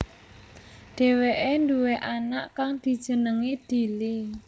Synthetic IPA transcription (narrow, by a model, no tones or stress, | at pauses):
ɖ̥e̤weʔend̪uweʔanaʔkaŋd̪̥i̤d̥ʒ̥ə̤nəŋid̪̥i̤li